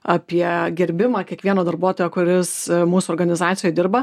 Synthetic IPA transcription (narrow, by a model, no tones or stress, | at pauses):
ɑpʲiɛɡʲɛɾʲbʲɪmɑːkʲiɛkʋʲiɛnoːd̪ɐɾbuɔt̪oːjoːkʊɾʲɪsmuːsuɔɾɡɐnʲɪzɑːt̪sʲɪjoːd̪ʲɪɾbɐ